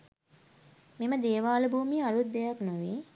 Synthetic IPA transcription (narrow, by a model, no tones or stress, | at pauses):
meməd̪eːʋaːləbʱuːmialut̪̚d̪ejaknoʋi